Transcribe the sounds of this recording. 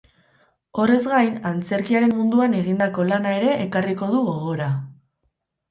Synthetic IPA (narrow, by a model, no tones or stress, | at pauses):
o̞re̞zɡajnant͡se̞ɾkiaɾe̞mmund̪uane̞ɣind̪ako̞lanae̞ɾe̞ʔːkariko̞ð̞uɣo̞ɣo̞ɾa